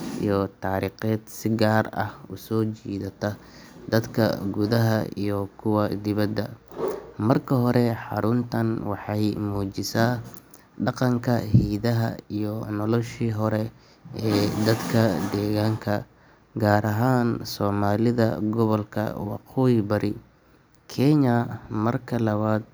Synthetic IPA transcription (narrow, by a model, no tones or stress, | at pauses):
ʔḭjɔt̪ʰaːɾiːqɛːd̪sɪɡaːrɐ̰hʊsɔːt͡ʃiːðɐt̪ʰɐd̪ɐd̪kʰɐ̰ɡʊðɐɦɐ̰ḭjɔkʰʊwɐd̪ɪβɐd̪ɐ | mɐrkʰɐɦɔɾɛħɑ̰ɾʊnt̪ʰɐnwɑħɑjmuːt͡ʃɪsaː | ɖɑqɑŋkʰɐhiːðɐɦɐ̰ijɔnɔlɔʃiːɦɔɾɛ | ɛːd̪ɐd̪kʰɐd̪ɛːɣaːŋkʰɐ | ɡaːɾɐɦaːnsɔːmaːlɪðɐ̰ɡɔβɔlkʰɐ̰wɑ̰qɔːjbɐɾʔɪ | kʰɛɲɐmɐrkʰɐlɐβaːd̪̚